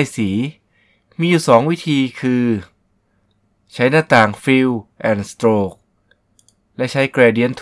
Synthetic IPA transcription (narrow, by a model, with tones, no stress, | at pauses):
jsiː˩˦ | miː˧juː˨˩sɔː˩˦ŋwi˦˥t̪ʰiː˧kʰɯː˧ | t͡ɕʰa˦˥jnaː˧˥˩t̪aː˨˩ŋfiː˧wʔɛː˨˩nst̪ɾoː˧˩k̚ | lɛ˦˥ʔt͡ɕʰa˦˥jkɾɛː˧˩di˧˥ənt̪ʰ